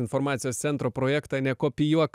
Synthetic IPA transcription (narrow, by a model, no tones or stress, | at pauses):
ɪnfɔɾmɑːt̪sʲɪjoːst̪sʲɛnt̪ɾoːpɾoːjɛːkt̪ɑnʲɛkoːpʲɪjuɔk